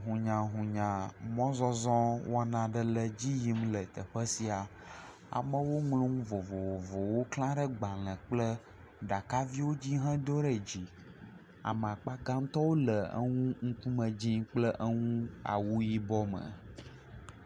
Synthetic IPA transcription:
ɦũ˨ɲã˨ɦũ˨ɲã˨mɔ̃˦zɔ˦zɔ̃˦wʔo˦a˦nã˨ɖə˦lə˨d͡ʑi˦ji˦mlə˨t̪ə˨ɸə˦si˨a˨ | a̰˨mə˦wo˦ŋlũ˦ŋũ˦vo˨vo˨vo˨vo˨wo˦klã˦ɖə˦ɡ͡ba˨lə̃˨k͡plə˦ | ɖa˨ka˦vi˦wo˦d͡ʑi˦ɦɛ̃˦d̪o˦ɖə˨d͡ʑi˨ | a̰˨m˨a˨k͡pa˦ɡã˦ŋ̩̃˦t̪ɔ˦wo˦lə˨ə̰˦ŋũ˦ŋ̩˦ku˦mə̃˨d͡ʑĩ˦k͡plə˦ʔə˦ŋũ˦a̰˨wu˦ji˦bɔ˦mə̰˨

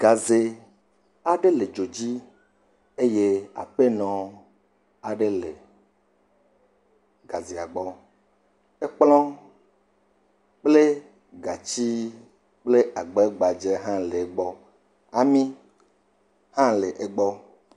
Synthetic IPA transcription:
ɡ̥a˨ze˨ | a˦ɖe˦le˨d͡ʒo˨d͡ʑi˦ | e˦je˦a̰˨ɸe˦nɔ̃˨ | a˨ɖe˦le˨ | ɡa˨ze˨a˨ɡ͡bɔ˦ | e˦k͡plɔ̃˦ | k͡ple˦ | ɡa˨t͡ɕi˦ | k͡ple˦a˨ɡ͡bɔ˦ɡ͡ba˨d͡ʒe˦ɦã˦le˨e˨ɡ͡bɔ˦ | a˨mĩ˦ | hã˦le˨ʔe˨ɡ͡bɔ˦

